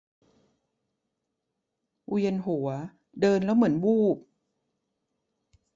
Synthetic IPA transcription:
wi˧ənɦu˩˦ɐ | dɤː˧nlɛ˦˥wmɯ˩˦ənbuː˥˩p̚

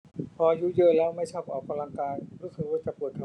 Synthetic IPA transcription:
pʰɔː˧juː˧˩jɤː˧˩lɛː˦˥wma˥˩jt͡ɕʰaː˥˩p̚ʔɔː˨˩k̚kʰa˧la˧ŋkaː˧jɾuː˦˥sʰɯ˨˧˩k̚waː˧˩t͡ɕa˨˩pɯ˨˩ət̪ʰa˧˩

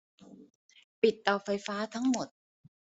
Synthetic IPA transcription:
pi˨˩t̪ːɔː˨˩fa˧jfaː˦˥t̪ʰa˦˥ŋmo˨˩t̪̚

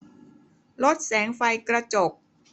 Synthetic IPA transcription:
lo˦˥t̪̚sɛː˩˦ŋfa˧jkɾa˧t͡ɕo˨˩k̚

